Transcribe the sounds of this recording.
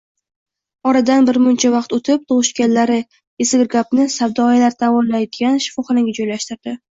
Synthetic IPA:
ɒɾad̪anbɪɾmʊnt͡ʃʰavɑqt̪ot̪ʰɪp̚t̪ʰoʁɨʃkʲanlaɾɪ | esɪɡʲɪɾɡʲapnɪsavd̪ɒjalaɾt̪ʰavɒnlajd̪ɪɡʲanʃɪ̥fɒχɨnaɡʲad͡ʒɒjlaʃt̪ɪɾd̪̥ɪ

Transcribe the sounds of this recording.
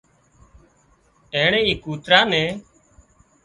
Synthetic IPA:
eːɳeːiːkuːt̪ɾãːnẽː

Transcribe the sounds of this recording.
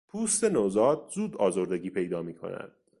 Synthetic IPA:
pʰuːst̪e̞nozɒːd̪̚zuːd̪ɒːzoɾd̪e̞ɡiːpʰe̞jd̪ɒːmiːkʰo̞̰næ̰d̪̥

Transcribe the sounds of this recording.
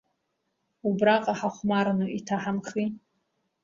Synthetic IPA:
ubraqʼaħaχʷmarnuʔitʰaħamχi

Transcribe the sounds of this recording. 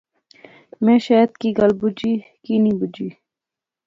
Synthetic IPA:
mẽːʃeːt̪̚kiɡɐlbud͡ʒiːkiːniːbud͡ʒiː

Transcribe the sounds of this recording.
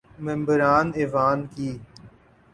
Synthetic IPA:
mɪ̃mbəɾaːneːʋaːnkiː

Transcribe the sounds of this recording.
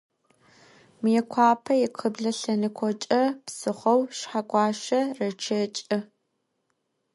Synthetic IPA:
mɨjɛkʷʰɑːpʰɐjɛqʰəbɮɐɬɐnɨkʷʰɔt͡ʃʼɐpsɨχʷɐwʃħakʷʼɑːʃɐrɐt͡ʃʰɐt͡ʃʼɐ

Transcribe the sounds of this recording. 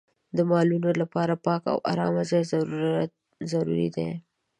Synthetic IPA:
d̪əmɑlunolapɑɾapɑka̰wʔa̰ɾɑmazɑjzaɾu | zaɾṵɾḭd̪ḛ

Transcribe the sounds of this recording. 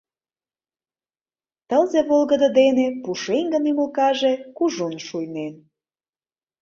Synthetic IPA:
t̪əlzeβolɣəd̪ə̆d̪enepuʃeŋɡəniməlkɑʒekuʒunʃujnen

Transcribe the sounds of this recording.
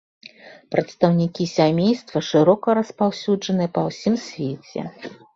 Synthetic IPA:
pɾɐt̪st̪ɐwnʲikʲisʲamʲejst̪vɐʂɨɾɔkɐɾɐspawsʲud͡ʐɐnɨɐpɐwsʲimsʲvʲet͡sʲɛ̰

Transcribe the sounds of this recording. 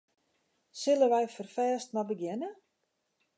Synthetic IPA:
sɪlˠəʋɛjfərfɛːstnɔbəɡjɛnə

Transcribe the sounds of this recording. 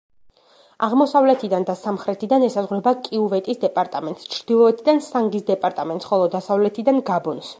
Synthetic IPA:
aʁmɔsavlɛt̪ʰid̪and̪asamχɾɛt̪ʰid̪anɛsazʁɾɛbakʼiuvɛt̪ʼisd̪ɛpʼaɾt̪ʼamɛnt̪ʼst͡ʃʰɾd̪̥ilˠɔɛt̪ʰid̪ansaŋɡisd̪ɛpʼaɾt̪ʼamɛnt̪sχɔlˠɔd̪asavlɛt̪ʰid̪anɡabɔns

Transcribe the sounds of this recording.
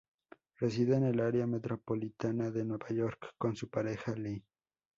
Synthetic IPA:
res̬iðene̞laɾjame̞t̪ɾopolit̪anaðe̞nwe̞βajoɾkːonsupaɾexali

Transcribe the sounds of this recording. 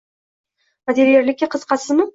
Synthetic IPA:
vad̪eɾjeɾlɪkʲːɪqʰɨzqʰɑsɪzmɪ

